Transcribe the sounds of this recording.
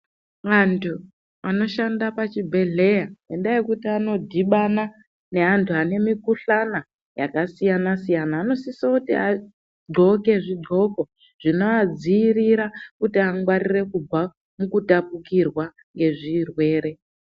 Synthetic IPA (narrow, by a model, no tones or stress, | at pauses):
ʋantʰu | ano̞ʃandapat͡ʃibʱe̞ɮe̞jae̞ndaje̞kutiano̞dʱiɓana | ne̞antʰuane̞mikuɬana | ja̰kasijanasijanaːno̞sisokutḭa | ɡ͡ǃʱo̞ke̞ʐiɡ͡ǃo̞ko̞ | ʐ̥ino̞ad͡ziːriɾakutiaŋɡwarire̞kuba | mukutapukirwa | ŋɡe̞ʐirwe̞ːɾe̞